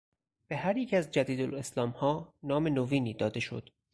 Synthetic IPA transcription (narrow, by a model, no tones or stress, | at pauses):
b̥e̞hæɾjecʰæzd͡ʒæd̪iːd̪ole̞slɒːmhɒːnɒːme̞noviːniːd̪ɒːd̪e̞ʃo̞̰d̪̥